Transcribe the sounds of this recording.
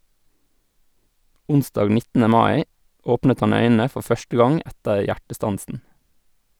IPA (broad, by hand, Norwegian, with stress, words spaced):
ˈʊnsdɑːɡ ˈnɪtənə ˈmɑɪ ˈoːpnət ˈhɑn ˈœʏnənə ˈfɔɾ ˈfœʃtə ˈɡɑŋ ˈʔɛtəɾ ˈjæʈəˌstɑnsən